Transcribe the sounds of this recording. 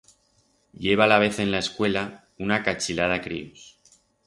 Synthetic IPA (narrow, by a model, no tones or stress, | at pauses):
ʎe̞β̞alaβ̞e̞θe̞nlae̞skwe̞la | unakat͡ʃilað̞akɾḭus